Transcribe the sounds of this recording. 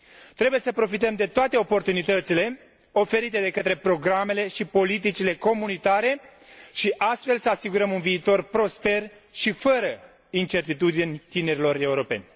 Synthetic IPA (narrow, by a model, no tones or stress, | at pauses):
t̪ɾe̞buje̞səpɾo̞fit̪̬əmd̪e̞t̪oat̪e̞o̞po̞rt̪unit̪ət̪sile̞ | o̞fe̞ɾit̪e̞d̪e̞kət̪ɾe̞pɾo̞ɡɾame̞le̞ʃipo̞lit̪̬it͡ʃile̞ko̞munit̪aɾe̞ | ʃiʔast̪fe̞lsəasiɡuɾəmunviːt̪o̞rpɾo̞spe̞r | ʃifəɾə | int͡ʃe̞rt̪it̪ud̪inʲt̪ine̞ɾilo̞ɾe̞uɾo̞pe̞̰nʲ